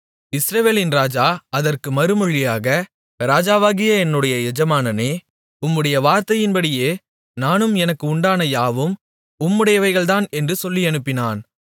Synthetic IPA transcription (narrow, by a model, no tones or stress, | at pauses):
ɪsɾɐʋeːlɪnɾaːd͡ʒaːɐðɐrkɯmɐɾɯmɯɻːɪjaːɣɐ | ɾaːd͡ʒaːʋaːɣɪjɐɛnːɯɽɐjɐɛd͡ʒɐmaːnɐneː | ʊmːɯɽɐjɐʋaːɾt̪ɐjɪnbɐɽɪjeː | naːnɯmɛnɐkːɯʊɳɖaːnɐjaːʋɯm | ʊmːɯɽɐjɐʋɐɪɣɐɭt̪aːnɛndrɯsɔlːiɛnɯpːɪnaːn